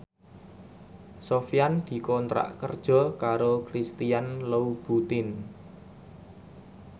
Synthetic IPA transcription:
sofijand̪̥i̤kɔnt̪ɾa̰ʔkərd̥ʒ̥ɔ̤kaɾokɾist̪ijanləub̥ut̪ɪn

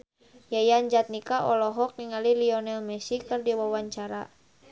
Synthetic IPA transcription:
jajaɲd͡ʒat̪̚nikaʔɔlɔɦɔk̚niŋaliliɔnɛlmɛsikɨrdiwawaɲt͡ʃaɾa̰

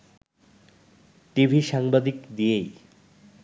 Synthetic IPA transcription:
ʈibʱiʃaŋbad̪ikd̪ijej

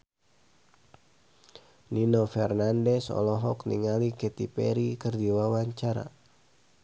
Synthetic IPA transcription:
ninofɛrnandɛsɔ̰lɔɦɔkniŋalikɛt̪ipɛɾikɨrdiwawaɲt͡ʃaɾa̰

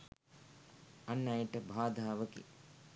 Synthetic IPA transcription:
ɐnːɐjəʈəbʱaːd̪ʱaːʋəkḭ

